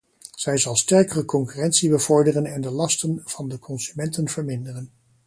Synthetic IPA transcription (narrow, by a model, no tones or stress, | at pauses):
z̥ɛjzɑlˠstɛɹkərəkɔŋkyrɛntsibəv̥ɔɹdərənɛndəlɑstənv̥ɑndəkʰɔnz̥ymɛntənv̥əɹmɪndərən